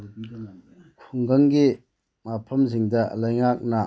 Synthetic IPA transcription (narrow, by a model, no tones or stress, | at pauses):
kʰuŋɡɐŋɡi | mapʰɐmzɪŋdalɐjŋak̚na